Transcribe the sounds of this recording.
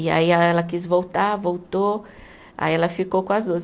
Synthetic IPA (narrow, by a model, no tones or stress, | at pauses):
ia̰iɛlɐkisvowt̪avowt̪o | a̰iɛlɐfikokõɐzd̪uɐz